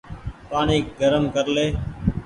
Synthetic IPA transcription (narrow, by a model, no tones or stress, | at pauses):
paːniːɡəɾəmkəɾleː